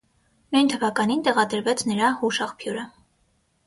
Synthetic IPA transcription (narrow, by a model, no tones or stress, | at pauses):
nujnt̪ʰəvɑkɑnint̪ɛʁɑd̪əɾvɛt͡sʰnəɾɑhuʃɑχpʰjuɾə